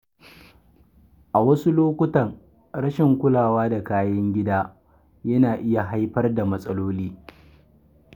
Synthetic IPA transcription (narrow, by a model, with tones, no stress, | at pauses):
ʔa˨wɐ˦su˦loː˦kʷʊ˦tɐ˨ŋ | ɽɐ˦ʃɪ˨ŋkʷʊ˦laː˨waː˦da˨kaː˦jɐ˦ŋɡʲɪ˦daː˦ | jɐ˦naː˨ʔɪ˦ja˨ɦa˦jɸɐ˦rda˨mɐ˦sʼɐ˦loː˦liː˦